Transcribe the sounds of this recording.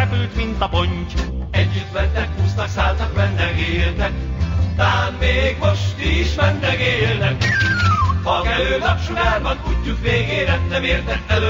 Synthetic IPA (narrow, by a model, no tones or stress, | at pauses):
ɛpylt̪mint̪ɒpoɲcɛɟːyt̪mɛnːɛkhuːst̪ɒksaːlt̪ɒkmɛnːɛɡeːlt̪ɛkt̪aːnmeːɡmo̞ʃt̪iʃmɛnːɛɡeːlnɛk | hɒkɛløːlapʃuɡaːrbɒnt̪uɟːukʋeːɡeːɾɛnːɛmeːrt̪ɛkɛlø